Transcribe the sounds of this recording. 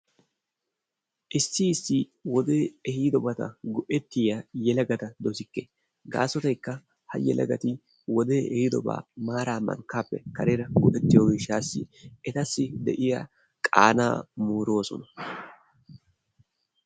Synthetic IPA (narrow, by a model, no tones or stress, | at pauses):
ʔɪsːɪːsːɪwɔd̪eːɛhiːd̪ɔbɐt̪ɐ̰ɡʊʔɛt̪ːɪjajɛlɐɡɐt̪ɐd̪ɔsɪkːe | ɡa̰ːsɔt̪ɐjkːɐ | hɐ̰jɛ̰lɐ̰ɡɐt̪ɪ | wɔd̪eːʔɛhɪd̪ɔba̰ːmaːɾaːmɐ̰ŋkːaːpːɛ̰kɐɾeɾɐɡʊʔɛt̪ːɪjoːɡɪʃaːsːɪ̰ɛt̪ɐsːɪd̪ɛ̰ʔɪja | kʼaːna̰ːmuːɾo̞ːsɔ̰nɐ̥